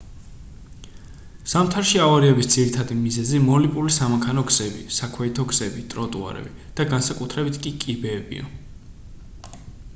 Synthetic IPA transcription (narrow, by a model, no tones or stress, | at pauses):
samt̪ʰaɾʃiavaɾiɛbisd̪z̥iɾit̪ʰad̪imizɛzimɔlipʼulisamakʰanɔɡz̥ɛbḭsakʰwɛit̪ʰɔɡz̥ɛbit̪ʼɾɔt̪ʼṵa̰ɾɛ̰bi | d̪̥aɡansakʼut̪ʰɾɛbit̪ʰkʼikʼibɛːbḭa̰